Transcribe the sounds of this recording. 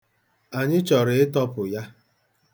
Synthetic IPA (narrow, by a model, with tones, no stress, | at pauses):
a˨ɲɪ˦t͡ʃɔ˨ɾɪ˨ɪ˦tɔ˦pʊ˨ja˦